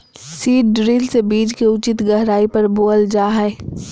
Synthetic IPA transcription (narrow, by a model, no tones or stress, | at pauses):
siːʈ̚ɖɾiːlsebiːd͡ʒkiʊt͡ʃɪt̪ɡɐɦɾaːipɐɾboːəld͡ʒaːɦɛ